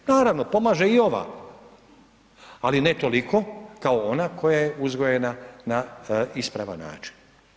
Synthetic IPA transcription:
naːɾaʋno̞po̞maːʒeio̞ʋa̰ | alinet̪o̞liko̞kao̞onakʰo̞jajeuzɡojenanaispɾaʋa̰nːa̰ːt͡ʃi̥n

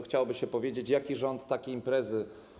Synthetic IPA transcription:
xt͡ɕawbɘɕɛpɔvʲjed͡ʑet͡ɕjakʲiʐɔnt̪ːakʲejimpɾɛzɘ

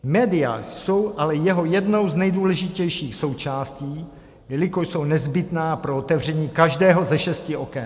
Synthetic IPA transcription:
mɛːdɪja̰so̞wʔalɛjɛɦo̞jɛdno̞wznɛjduːlɛʒɪcɛjʃiːxso̞wt͡ʃaːsciː | jɛlɪkoʃso̞wnɛzbɪt̪naːpɾoot̪ɛvr̝ɛɲiːkaʒdɛːɦo̞zɛʃɛscɪʔo̞kɛn

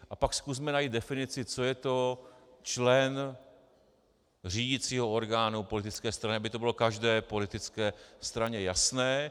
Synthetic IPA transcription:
ʔapakskus̬mɛnajid̪dɛfɪnɪt͡sɪt͡sojɛt̪o̞t͡ʃlɛn | r̝iːɟɪt͡siːɦo̞o̞ɾɡaːnupo̞lɪt̪ɪt͡skɛːst̪ɾanɪabɪt̪o̞bɪlo̞kaʒdɛːpo̞lɪt̪ɪt͡skɛːst̪ɾaɲɛjasnɛː

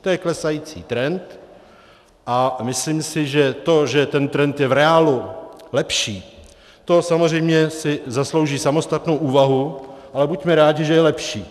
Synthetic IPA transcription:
t̪ojɛklɛsajiːt͡sḭːt̪ɾɛnt̪ | ʔamɪslimsɪʒɛt̪o̞ʒɛt̪ɛnt̪ɾɛnt̪jɛvɾɛaːlulɛpʃiː | t̪o̞samor̝ɛjmɲɛsɪzaslo̞wʒiːsamo̞st̪at̪no̞wʔuːvaɦuʔalɛbucmɛɾaːɟɪʒɛjɛlɛpʃiː

